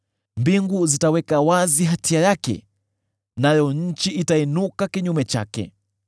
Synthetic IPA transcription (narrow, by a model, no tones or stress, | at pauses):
mbiŋɡuzitawɛkawaziɦatiajakɛ̰ | najɔɲ̩t͡ʃiʔitainukakiɲumɛt͡ʃa̰kɛ̰